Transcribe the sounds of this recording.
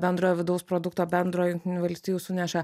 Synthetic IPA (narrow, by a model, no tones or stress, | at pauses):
bʲɛnd̪ɾoːjɛʋʲɪd̪ɐʊspɾɔd̪ʊkt̪oːbʲɛnd̪ɾoːjjʊŋkʲt̪ʲɪnʲuːʋɐlʲsʲt̪ʲiːjuːsʊnʲɛʃɐ